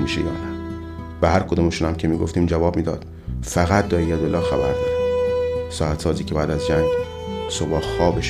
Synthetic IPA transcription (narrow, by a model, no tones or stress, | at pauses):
miːʃejɒ̰ːnæn | bæhæɾkʰod̪oːmeʃunæmcʰemiːɡoft̪iːmd͡ʒævɒːb̥miːd̪ɒ̰ːd̪̥ | fæɣæt̪̚ʰd̪ɒːejæd̪olːɒːxæbæɾd̪ɒːd̪̥ | sɒːæt̪sɒːziːcʰebæːd̪æzd͡ʒæŋɡ | sobɒːxxɒːbeʃ